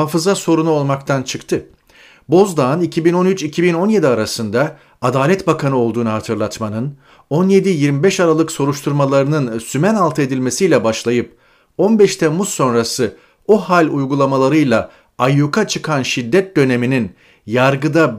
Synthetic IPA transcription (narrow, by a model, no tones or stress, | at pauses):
aːfɯzaso̞ɾunuo̞lˠmakt̪ʰant͡ʃʰɯkt̪ʰɯ | bo̞zd̪ˠaːnicʰibino̞nyt͡ʃicʰibino̞nje̞d̪iaɾasɯnd̪a | ad̪aːlʲɛt̪bakʰanɯo̞lˠd̪uːnuɦat̪ʰɯɾlˠat̪manɯn | o̞nje̞d̪ijiɾmibɛʃaɾalˠɯkso̞ɾuʃt̪ʰuɾmalˠaɾɯnɯnsymɛnalˠt̪ʰɯed̪ilʲme̞sijlʲɛbaʃlˠajɯp̚ | o̞nbɛʃt̪ʰɛmusːo̞nɾasɯ | ohalʲujɡulˠamalˠaɾɯjlˠa | ajukʰat͡ʃʰɯkʰanʃid̪ːɛt̪̚d̪ø̞ne̞minin | jaɾɡɯd̪a